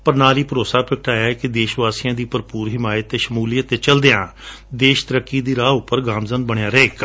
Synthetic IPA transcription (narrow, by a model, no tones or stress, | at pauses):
pəɾnaːliːpəɾoːsaːpɪk̚ʰʈaːjaːɛːkɪd̪eːʃʋaːsijãːd̪iːpəɾpuːɾɦɪmaːjət̪ːeːʃəmuːlijət̪ːeːt͡ʃəld̪eãː | d̪eːʃt̪əɾəkːiːd̪iːɾaːʊpːəɾɡaːmzənbəɽ̃ejaːɾɛeːk